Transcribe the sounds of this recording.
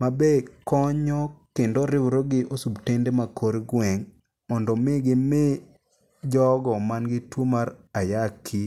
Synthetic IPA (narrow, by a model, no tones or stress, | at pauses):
mabekɔɲɔkendɔɾɪwɾoɡɪʔosubtendemakʰoɾɡwɛŋ | mɔndɔmɪɡɪme | d͡ʒɔɡɔmanɡɪtwomaɾajakʰi